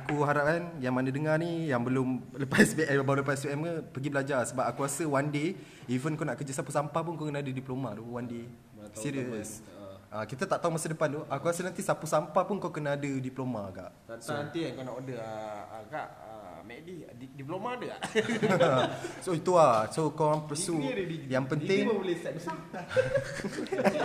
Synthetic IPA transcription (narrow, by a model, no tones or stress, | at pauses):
akuɦaɾap̚kanjaŋmanadəŋarnijaŋbəlʊmləpasbiʔɛmbabawləpaɛs̬biɛməpəɡibəlad͡ʒarsəbap̚akuɾasəwande | ivənkanaʔkərd͡ʒasapusampap̬unŋkawkənaːdədiplomad̪uwande | siɾiəs | ʔakit̪at̪aʔt̪aumasədəpant̪oʔakuasənãnt̪isapusampapunŋkawkənaːdədiplomaɡa̰ʔ | asanant̪iaŋkanaʔodəəəka̰ʔ | ə̰ | mɛʔdi | dip̬lomadəa̰ʔ | soit̪uasokawaŋpəsuɾijaŋpənɪŋbəlesaəs